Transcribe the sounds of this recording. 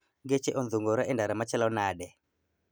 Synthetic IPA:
ɡet͡ʃeʔɔnðuŋɡɔɾaʔɛndaɾamat͡ʃɛlɔnaɗɛ

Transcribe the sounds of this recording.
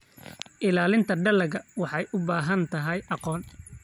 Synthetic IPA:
ʔɪlaːlɪnt̪ʰɐɖɐlɐɣɐwɑħɑjʔʊbaːɦɐnt̪ʰɐɦɛjʔɑqɔːn

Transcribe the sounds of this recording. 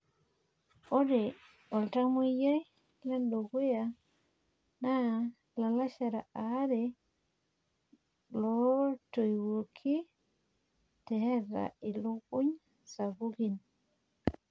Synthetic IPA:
ʔɔdɛ | ɔltamujaj | lɛnɗɔɡuja | na | lalaʃaɾaʔaɾɛ | lɔtojwuɾkʰi | tɛhɛɾːa̰ɛluuɲ | sabuɡin

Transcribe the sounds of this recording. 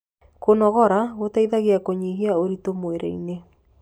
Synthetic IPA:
konɔɣɔɾaɣotaiðaɣeakoɲiɦiaoɾitomweɾɛ̰ḭne

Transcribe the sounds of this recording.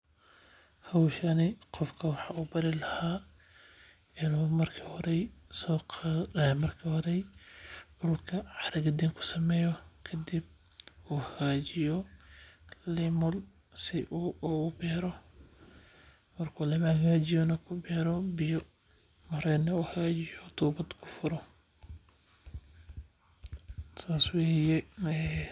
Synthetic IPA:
hɐwʃɐnɪqɔfkʰɐwɑħɑuːbɐɾɪlɐhaː | ɪnuːmɐrkʰihɔɾɛsɔːqʰːmɐrkʰiːhɔɾɛj | ʊʊlkʰɐʕɑɾɐɡɐd̪iŋkʰʊ̥sɐmɛːjɔkʰɐd̪ib̚ | uːhɡaːt͡ʃɪjɔ | lɪmʊl | sɪʔuʊbɛːɾɔ | mɐrkʰulɐmɐhɐɣaːt͡ʃɪjɔnɐkʰʊbɛːɾɔbɪjɔ | mɐɾɛːnɐuːhɐɣaːt͡ʃɪjɔt̪ʰuːbɐd̪kʰʊ̥fʊɾɔ | t̪ʰaːswɛːjɛnɛ

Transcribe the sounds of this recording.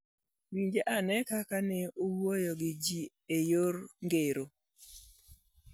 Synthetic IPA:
wiɲd͡ʒeʔanɛkakanɛowojɔɡɪd͡ʒi | ejoɾŋɡeɾo

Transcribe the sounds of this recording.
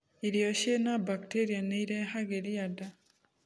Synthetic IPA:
iɾjoʃenabakteɾianeiɾehaɡeɾiada

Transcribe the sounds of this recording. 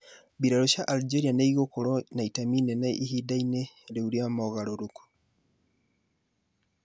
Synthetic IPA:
biɾaɾoʃaʔald͡ʒeɾianaiɣokoɾɔnaitaminenaʔihidaineɾeuɾjamɔɣaɾoɾuku̥

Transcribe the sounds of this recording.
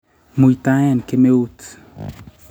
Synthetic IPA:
mujt̪ajankemeut

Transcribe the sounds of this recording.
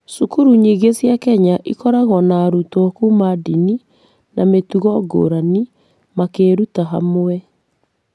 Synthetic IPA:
sukuɾuɲiɣesjakɛɲaʔikɔɾaɣɔnaːɾutɔkumadini | nametuɣɔɡo̰ɾani | makeɾutaɦa̰moɛ

